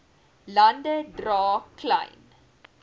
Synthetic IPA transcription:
lɐndədrɑːklɐ̰jn

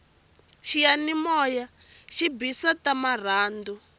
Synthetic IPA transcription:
ʃijanimɔja | ʃibisatamar̤aːndu

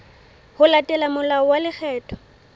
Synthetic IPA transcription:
hʊlatʼɛlamʊlaɔwalɪk͡xʰɛːtʰʼɔ̥

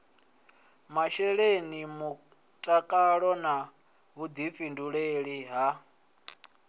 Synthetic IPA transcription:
maʃɛɺenimu | tʼakʼaɺɔna | βud̪ifinduɺeɺiɦa

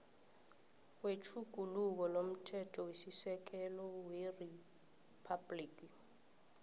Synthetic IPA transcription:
wet͡ʃʰuɡ̥ʱuluk̬ɔlom̩tʰɛtʰɔwesisɛk̬ɛlɔweri | pʰabliːk̬i

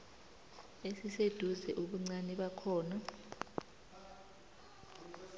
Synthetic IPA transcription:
esised̥ʱuzɛʔuɓuŋ͡ǀanɛɓakʰɔːna

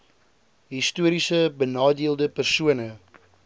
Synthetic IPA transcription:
ɦistuəɾisəbənɑːdiəlˠdəpərsuənə

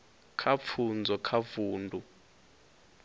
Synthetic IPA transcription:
kʰap̪fʰund͡zʱɔkʰavuːndʱu

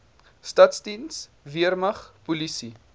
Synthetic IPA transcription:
stɐtsdins | viərmɐχpulisi

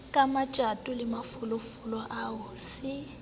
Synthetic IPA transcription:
kʼamat͡ʃʼatʼʊlɪmafʊlʊfʊlɔʔaʊːsɪ

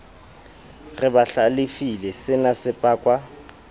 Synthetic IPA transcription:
rɪbaɬalɪfilɛsɪnasɪpʼaːkʼwa

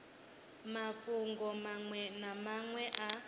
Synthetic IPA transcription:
maɸuŋɡɔmaŋwɛnamaŋwɛʔa

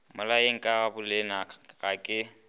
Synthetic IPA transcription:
mʊlaeŋ̩kʼabʊlɪnaɣakʼɪ

